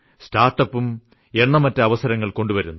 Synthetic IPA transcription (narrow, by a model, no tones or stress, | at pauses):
staːrʈːɐpːum | e̞nːɐmɐtːɐɐʋɐsɐɾɐŋːɐɭko̞ɳɖuʋɐɾunːu